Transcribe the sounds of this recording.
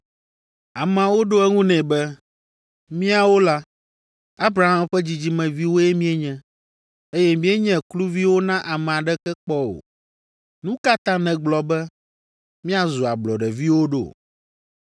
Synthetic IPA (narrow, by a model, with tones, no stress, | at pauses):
a˨mɛ˨a˨wo˦ɖo˦ɛ˦ŋũ˦nɛ̃˨bɛ˦ | mĩ˦a˨wo˦la˦ | a˦bɾa˨ɦã˦mɸɛ˦d͡ʑi˨d͡ʑi˦mɛ̃˨vi˦wo˦jɛ˦mĩ˦e˦ɲɛ̃˦ | e˦jɛ˦mĩ˦e˦ɲɛ̃˦klu˦vi˦wo˦nã˦ʔa˨mɛ̃˨a˨ɖɛ˦kɛ˦k͡pɔ˦o̰˨ | nũ˦ka˦t̪ã˦nɛ̃˨ɡ͡blɔ˨bɛ˦ | mĩ˦a˨zu˨a˨blɔ˨ɖɛ˨vi˦wo˦ɖo̰˦